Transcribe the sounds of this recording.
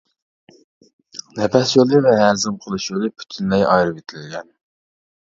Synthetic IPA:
lɛpʰɛsjolˠɨvɛɦæɾzɨmqʰəlˠɨʃjolˠɨpʰy̥t̪ʰynlɛjʔɑ̰jɾɨvet̪ʰlɪlɡʲɛn

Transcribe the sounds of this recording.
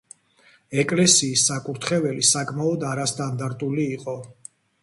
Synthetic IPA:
ɛkʼlɛsiːsːakʼuɾt̪ʰχɛvɛlisakʼmaɔd̪aɾast̪ʼand̪aɾt̪ʼuliːqʼɔ

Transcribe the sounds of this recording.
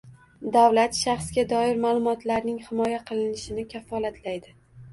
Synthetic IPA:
d̪awlat̪ʃaχsɡʲad̪ɒɪɾmaːlˠʊmɒt̪laɾnɪŋhɪmɒjaqʰɨlˠɪnɪʃɪnɪkʲʰafɒlat̪ʰlajd̪ɪ

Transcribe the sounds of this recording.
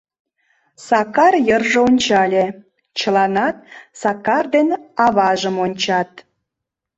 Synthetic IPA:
sɑkɑrjərʒoonʲt͡ɕɑlʲe | t͡ɕəlˠɑnɑt̪̚sɑkɑrd̪enɑβɑʒəmonʲt͡ɕɑt̪̚

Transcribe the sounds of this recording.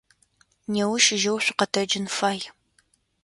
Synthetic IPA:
newʊʃɪʒɐwɕʷɪqɐtʰɐd͡ʒɪnfaːj

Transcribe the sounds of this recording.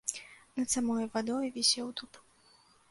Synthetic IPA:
nɐt̪samɔjvad̪ɔjvʲɛsʲɛwt̪up

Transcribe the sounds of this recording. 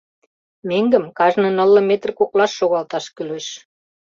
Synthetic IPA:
meŋɡə̆mkɑʒnənə̆lːɤ̆met̪rkoklɑʃːoɣɑlt̪ɑʃkyleʃ

